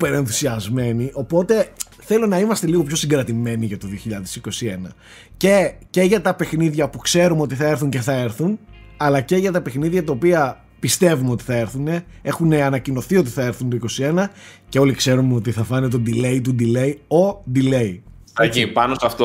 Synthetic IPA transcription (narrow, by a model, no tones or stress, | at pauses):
peɾe̞nθu̥siɐzme̞niʔo̞po̞t̪e̞ | θe̞lo̞nɐimɐst̪e̞liɣo̞pço̞siŋɡɾɐt̪ime̞niʝɐt̪o̞ðioçiʎɐðesiko̞sienɐ | ce̞ce̞ʝɐt̪ɐpe̞xniðʝɐpukse̞ɾumo̞t̪iθɐe̞ɾθuɲce̞θɐe̞ɾθunɐlɐce̞ʝɐt̪ɐpe̞xniðʝɐt̪ɐopiɐ | pist̪e̞vumo̞t̪i̥θɐe̞ɾθune̞ | e̞xune̞ɐnɐcino̞θio̞t̪̬iθɐe̞ɾθunt̪oiko̞sie̞nɐce̞o̞likse̞ɾumo̞t̪̬iθɐfɐnet̪o̞d̪ile̞it̪̬ud̪ile̞io̞d̪ile̞i | t̪ipɐnost̪oɐft̪o